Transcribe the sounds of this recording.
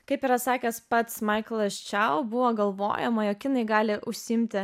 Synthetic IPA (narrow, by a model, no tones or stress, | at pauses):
kɐɪpiɾɐsɑːkʲɛspɐt̪smɐɪklˠɐʃʲt͡ʃʲɛʊbʊʋoːɡɐlˠʋo̰ːjɛmoːjoːkjɪnɐɪɡɑːlʲɪʔʊʃʲsʲɪɪmʲt̪ʲɪ